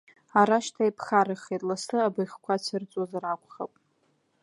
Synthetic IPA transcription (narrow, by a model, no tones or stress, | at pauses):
aɾaʃtʰaipʰχaɾɨχejtʼlasɨabɨjχkʷʰat͡sʰɨrt͡sʼwazaɾakʷʰʼχa̰pʼ